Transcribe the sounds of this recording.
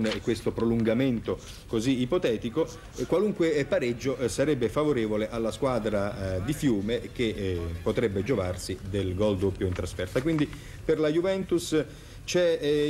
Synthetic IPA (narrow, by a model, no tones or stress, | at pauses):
nkːwest̪opɾoluŋɡament̪o | koziːpot̪ɛːt̪iko | kwaluŋkwepaɾed͡ʒːoʔsaɾɛbːefavoɾeːvoleʔalːaskwaːd̪ɾad̪ifjuːmek̟epːot̪ɾɛbːed͡ʒovarsid̪elɡɔld̪opːjoint̪ɾasfɛrt̪akwind̪i | perlajuvɛnt̪us | t͡ʃɛ